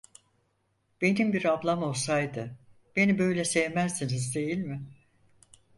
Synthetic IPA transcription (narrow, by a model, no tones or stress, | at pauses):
b̥e̞nimbiɾablˠamo̞lˠsajd̪ɯ | b̥e̞nibø̞jlʲɛsɛvmæzsinizd̪e̞jilʲmɪ